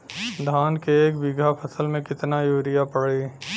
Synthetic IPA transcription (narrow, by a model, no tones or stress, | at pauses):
d̪ʱaːnkeeːkbɪɡʱapʰɐsəlmẽkɪt̪najuːɾɪjapɐɽeː